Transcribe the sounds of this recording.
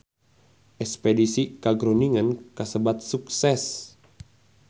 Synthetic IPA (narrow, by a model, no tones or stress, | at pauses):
ʔɛkspɛdisikaɡɾoniŋənkasəbat̪̚suksɛs